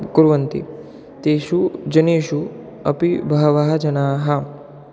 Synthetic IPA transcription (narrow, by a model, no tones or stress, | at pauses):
kuɾʋɐnt̪ḭ | t̪eːʃud͡ʒɐneːʃu | ɐ̰pibʱɐɦɐʋaɦɐd͡ʒɐnaːɦɐ